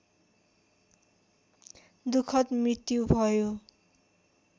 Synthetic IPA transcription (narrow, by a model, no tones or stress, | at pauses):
d̪ukʰʌt̪mrit̪jubʱʌjo